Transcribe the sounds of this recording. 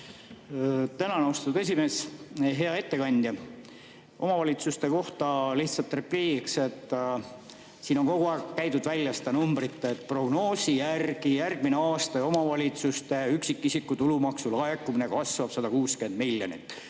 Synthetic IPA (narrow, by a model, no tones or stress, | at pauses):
t̪ænɑnɑwst̪ɑnud̪e̞s̬ʲime̞ːsɦe̞ɑe̞t̪ːe̞kɑnʲd̪̥jɑ | ʔo̞̰mɑvɑlʲit̪sust̪e̞ko̞ht̪ɑliht̪sɑlt̪ːˑrepriːɡikse̞t̪ːˑ | siːno̞nŋko̞ɡuɑekkæjt̪ud̪vælʲjɑst̪enumb̥rit̪ːˑet̪ːˑpro̞ɡ̥no̞ːsijærɡijærɡ̥̚mineɑːst̪ɑjo̞mɑvɑlʲit̪sust̪eyksikːˑisikːˑut̪ulumɑksulɑekːˑuminekɑsvɑb̥sɑd̪ɑkuːske̞nd̪miljonḭt̪ːˑ